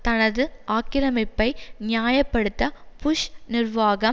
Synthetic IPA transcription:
t̪ɐnɐðɯʔaːkɪɾɐmɪpːɐɪnɪjaːjɐpːɐɽɯt̪ːɐpʊʂnɪrʋaːɣɐ

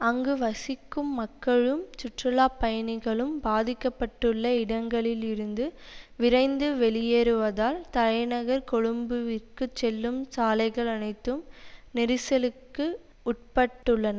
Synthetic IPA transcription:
ɐŋɡɯʋɐsɪkːɯmːɐkːɐɻɯmt͡ʃɪʈrɯlaːpːɐjɐnɪɣɐɭɯmbaːðɪkːɐpːɐʈːɯɭːɐɪɽɐŋɡɐɭɪlɪɾɯnd̪ɯʋɪɾɐɪnd̪ɯʋɛɭɪjeɾɯʋɐðaːlt̪ɐlɐɪnɐɣɐɾkɔɻɯmbɯʋɪrkɯt͡ʃːɛlːɯmsaːlɐɪɣɐɭɐnɐɪt̪ːɯmnɛɾɪsɐlɯkːɯ | ʊʈ̚pɐʈːɯɭːɐnɐ

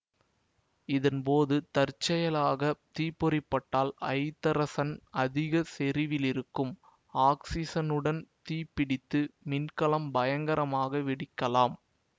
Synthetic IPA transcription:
ɪðɐnpoːðɯt̪ɐɾt͡ʃːɐjɐlaːɣɐt̪iːpːɔɾɪpːɐʈːaːlɐ̰ɪt̪ːɐɾɐsɐnɐðɪɣɐsɛɾɪʋɪlɪɾɯkːɯm | aːksɪsɐnɯɽɐnt̪iːpːɪɽɪt̪ːɯmɪnkɐlɐmbɐjɐŋɡɐɾɐmaːɣɐʋɪɽɪkːɐlaːm

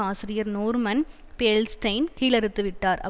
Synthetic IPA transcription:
aːsɪɾɪjɐɾnoːɾmɐn | peːlsʈɐɪnkiːlɐɾɯt̪ːɯʋɪʈːaːɾɐ̰

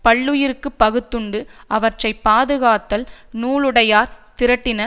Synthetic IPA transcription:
pɐɭːɯjɪɾɯkːɯpːɐɣɯt̪ːɯɳɖɯɐʋɐʈrɐɪpːaːðɯɣaːt̪ːɐlnuːɭɯɽɐjaːɾt̪ɪɾɐʈːɪnɐ

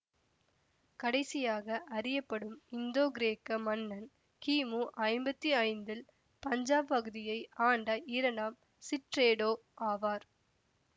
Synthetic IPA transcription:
kɐɽɐɪsɪjaːɣɐʔɐɾɪjɐpːɐɽɯmɪnd̪oːɡɪɾeːkːɐmɐnːɐn | kiːmuːʔɐɪmbɐt̪ːiɐɪnd̪ɪl | pɐɲd͡ʒaːppɐɣɯðɪjɐɪaːɳɖɐiːɾɐɳaːm | sɪʈɾeːɽoː | ʔaːʋaːɾ

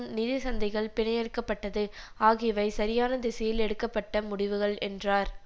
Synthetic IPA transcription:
nnɪðɪsɐnd̪ɐɪɣɐɭpɪɳɐɪjɛɽɯkːɐpːɐʈːɐðɯ | aːɣɪʋɐɪsɐɾɪjaːnɐd̪ɪsɐjɪlɛɽɯkːɐpːɐʈːɐmʊɽɪʋɯɣɐɭɛndraːɾ

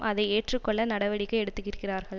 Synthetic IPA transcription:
ʔɐðɐɪeːʈrɯkːɔɭːɐnɐɽɐʋɐɽɪkːɐɛɽɯt̪ːɯkːɪɾɯkːɪraːɾɣɐɭ

